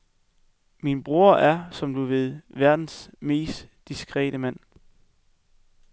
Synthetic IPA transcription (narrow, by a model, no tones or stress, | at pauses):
minb̥ʁuːɐʔæɐsɒ̽md̥uʋe̝ð̞ˠʋæɐd̥n̩sme̝̰ːsd̥ːisɡ̥ʁɛ̰ːɾ̥əmæn̰